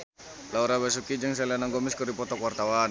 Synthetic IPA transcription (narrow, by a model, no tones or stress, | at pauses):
lauɾabas̬ukid͡ʒaŋs̬alanaŋɡɔmiskɔrdipɔt̪ɔkwart̪awan